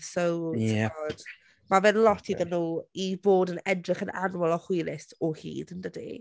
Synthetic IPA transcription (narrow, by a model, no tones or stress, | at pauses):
sowɛɔd̥ | mavɛðlˠɔtʰiðənuːiboːdənɛdrɪχənʔa̰nwɔlˠɔhɪlɪsɔhḭːdəndədḛ